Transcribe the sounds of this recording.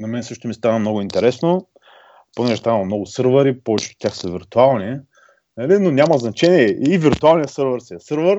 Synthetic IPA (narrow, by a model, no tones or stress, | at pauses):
nɐmɛnsɤʃt̪omist̪anəmnɔɡʊint̪ɛɾɛsno | ponɛʒɛst̪ainˠmnɔɡʊsɤɾvəɾipɔvɛt͡ʃt̪o̥t̪ʲaxsəviɾt̪ualˠni | nəlinonʲamɐznɐt͡ʃɛniɛːvʲiɾt̪ʊalˠnijəsɤɾvəɾsiɛsəɾvəɾ